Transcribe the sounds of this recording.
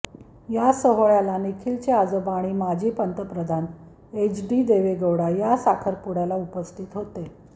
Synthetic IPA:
jasəɦoɭjalanikʰiːlt͡ɕead͡zobaɽ̃iːmad͡ʑʱiːpənt̪əpɾəd̪ʱan | et͡ɕɖiːd̪eʋeɡəwɽajasakʰəɾpuɽalaupəst̪ʰiːt̪ɦot̪e

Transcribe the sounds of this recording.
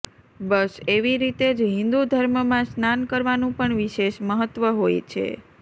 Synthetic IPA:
bəseʋiɾit̪ed͡ʒɦĩnd̪ud̪ʱəɾməmãsnankəɾʋanũpəɳʋiʃeʃməɦət̪ːʋəɦojt͡ʃʰḛ

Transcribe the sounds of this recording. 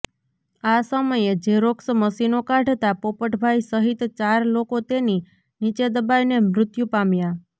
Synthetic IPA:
asəməjed͡ʒeɾoksəməsinokãɖʱt̪apopəʈʰbʱajsəɦit̪t͡ʃaɾlokot̪eni | nit͡ʃed̪əbajnemɾʊt̪jũpamja

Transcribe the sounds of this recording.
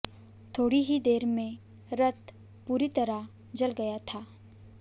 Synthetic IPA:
t̪ʰoːɽiɦid̪eːɾmẽ | ɾɐt̪ | puːɾit̪ɐɾa | d͡ʒɐlɡɐjat̪ʰaː

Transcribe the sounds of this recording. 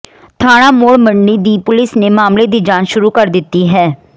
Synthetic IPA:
t̪ʰaːɽ̃aːmoːɽməɳːiːd̪iːpʊlɪsneːmaːmleːd̪iːd͡ʒãːnʃʊɾuːkəɾd̪ɪt̪ːiːɦɛː

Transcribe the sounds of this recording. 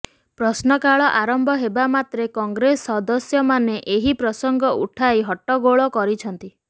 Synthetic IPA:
pɾɔsnɔkaɭɔʔaɾɔmbɔɦebamat̪ɾekɔŋɡɾesɔd̪ɔsjɔmaneʔeɦipɾɔsɔŋɡɔʔuʈʰaeɦɔʈɔɡoɭɔkɔɾit͡ʃʰɔnt̪i

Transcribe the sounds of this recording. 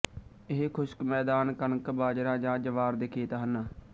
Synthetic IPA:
ɪɦekʰʊʃkmɛːd̪aːnkənkbaːd͡ʒɾãːd͡ʒãːd͡ʒəʋaːɾd̪eːkʰeːt̪aːɦənːaː

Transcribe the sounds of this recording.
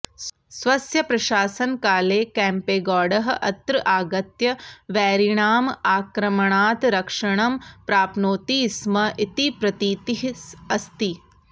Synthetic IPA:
sʋɐsjɐpɾɐʃaːsɐnkaːleːkɛːmpeːɡɔːɖɐɦɐʔɐt̪ɾɨʔaːɡɐt̪jɐʋɛːɾiɳaːmaːkɾɐmɐɳaːt̪ɾɐkʂɐɳɐmpɾaːpnoːt̪iːsmɐʔit̪ipɾɐt̪iːt̪iɦɐst̪i

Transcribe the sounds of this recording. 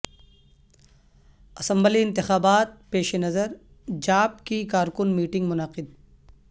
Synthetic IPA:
ɐsɐ̃mbliɪ̃nt̪ɪxaːbaːt̪̚peːʃenɐzəɾ | d͡ʒaːp̚kikaːɾkʊnmiːʈɪ̃ŋɡmʊnaqɪd̪̚

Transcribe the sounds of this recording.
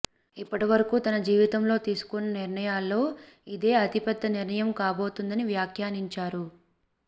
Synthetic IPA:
ipːɐʈiʋɐɾɐkuːt̪ɐnɐd͡ʒiːʋit̪ɐmlo̞ːt̪iːsu̥kunːɐniɾɳɐjaːlːo̞ː | id̪e̞ːɐt̪ipɐd̪ːɐniɾɳɐjɐmkaːbo̞ːt̪und̪ɐniʋjaːkʰjaːniɲt͡ʃaːɾu

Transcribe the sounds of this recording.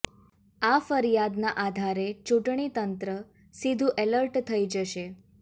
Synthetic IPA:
afəɾijad̪naʔad̪ʱaɾet͡ʃũʈɳ̃it̪ənt̪ɾə | sid̪ʱũʔeləɾʈt̪ʰəid͡ʒəʃe

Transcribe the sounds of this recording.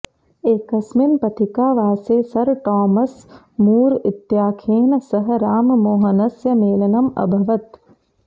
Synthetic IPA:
eːkɐsminpɐt̪ʰikaːʋaːseːsɐɾʈɔːmɐs | muːɾit̪jaːkʰeːnɐsɐɦɐɾaːmmoːɦɐnɐsjɐmeːlɐnɐmɐ̰bʱɐʋɐt̪

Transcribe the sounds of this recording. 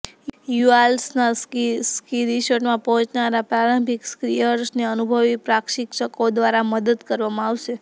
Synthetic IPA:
jualsnaskiɾiʃəʈmãpɔɦɔ̃t͡ʃnaɾapɾaɾə̃mbʱikskɾijəɾsneənubʱəʋipɾakʃikʃəkod̪ʋaɾaməd̪əd̪kəɾʋamãaʋʃe

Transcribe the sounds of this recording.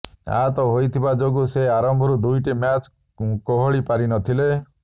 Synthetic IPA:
a̰t̪ɔɦojt̪ʰibad͡ʒoɡuseaɾɔmbʱɔɾud̪ujʈimjat͡ʃ | kɔɦɔɭipaɾinɔt̪ʰile

